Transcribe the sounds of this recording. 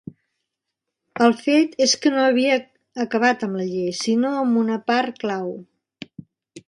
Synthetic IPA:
əlˠfet̪eskənoəβ̞iəː | kəβ̞at̪əmləʎejsinoəmbunəpaɾklaw

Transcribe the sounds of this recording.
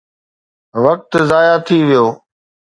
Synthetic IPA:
ʋək̚t̪zaːjaːt̪ʰiːʋɪjoː

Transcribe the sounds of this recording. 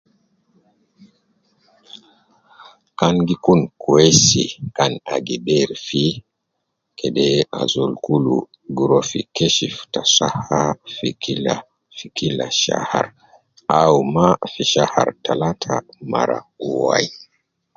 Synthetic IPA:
kanɡikunkuɛsikanaɡibɛɾfi | kʰɛɗɛa̰zɔlkulṵ | ɡuɾɔfikɛʃiftasahafikila | fikilaʃa̰ha̰ɾ | aumafiʃaha̰ɾtalatʰama̰ɾa̰uwa̰i

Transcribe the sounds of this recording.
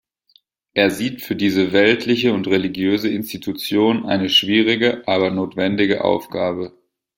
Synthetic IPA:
ʔeːɐziːtfyːɐdiːzəvɛltʰlɪçəʊntʁeliɡjøːzəɪnstitʰut͡sjoːnʔa̰ɪnəʃv̥iːʁ̞ɪɡəʔaːbɐnoːtv̥ɛndɪɡə̰ʔa̰ʊfɡ̥aːbə

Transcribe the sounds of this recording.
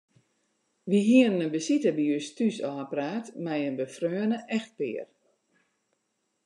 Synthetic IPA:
ʋiɦiənənəbəsitəbəjystysɔːpraːtmɛjənbəfrøːənəʔɛxt̚pɪ̰ːər

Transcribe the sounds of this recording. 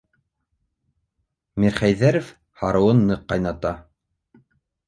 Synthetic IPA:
miɾχæjðæɾɘ̆f | hɑɾɤ̆wɤnːɤqːɑjnɑt̪ɑ

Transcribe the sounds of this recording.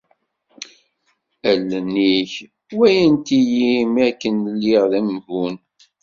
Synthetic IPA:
ælːənːiç | wæjənt̪ijimækːənəlːiʁðæmvun

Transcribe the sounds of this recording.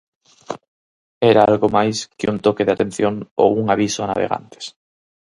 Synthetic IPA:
eɾaalɣomajskeunt̪okeðeat̪ẽ̞n̟θjoŋo̰uŋaβ̞isoana̰β̞ḛɣa̰nt̪e̥s

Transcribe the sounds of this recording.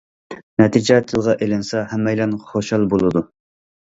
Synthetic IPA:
nɛt̪ʰid͡ʒɛt̪ʰɨlˠʁɑʔelɪnsɛhɛmːɛjlɛnχoʃɑlˠbolˠɨd̪u

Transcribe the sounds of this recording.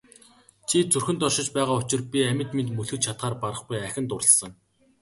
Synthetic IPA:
t͡ɕʰit͡sɵrxɵ̆nt̪ɔʃɪ̆t͡ɕpæːʁaːʊt͡ɕɪ̆rpʲiæmʲɪ̆t̪ment̪mɵɮxɵ̆t͡ɕt͡ɕʰat̪χaːrpaɾə̆χpujæxʲɪ̆nt̪ʊrə̆ɮsə̆ŋ

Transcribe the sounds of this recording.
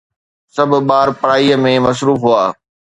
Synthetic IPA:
sɐbʱɓaːɾpɐɽaːiəmẽmɐs̬ɾuːfɦuaː

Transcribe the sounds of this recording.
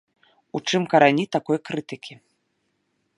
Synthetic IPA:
ut͡ʂɨmkɐɾanʲit̪akɔjkɾɨt̪ɨkʲi

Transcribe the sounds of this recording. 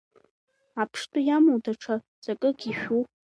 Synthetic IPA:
apʰʂtʼujamowdʰaʈ͡ʂʰa | z̥akʼɨɡʲiʃᶣu

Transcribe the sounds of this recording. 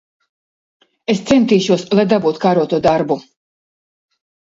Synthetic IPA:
est̪sɛnt̪iːʃuɔslˠajd̪abuːt̪kaːɾuɔt̪uɔd̪aɾbu

